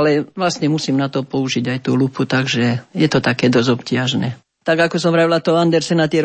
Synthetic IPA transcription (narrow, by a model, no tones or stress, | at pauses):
lɛʋlast̪ɲɛmusiːmnat̪ɔpɔuʒiɟajt̪uːluput̪aɡʒɛjɛt̪ɔt̪akɛːd̪ɔzɔpcɪaʒnɛː | t̪aɡakɔsɔmɾaʋilat̪ɔɦand̪ɛɾsɛnat̪ɪɛɾ